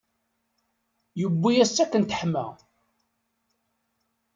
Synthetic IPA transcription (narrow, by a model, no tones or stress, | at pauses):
jəbːijæsːækːənt̪ə̥ħmæ̰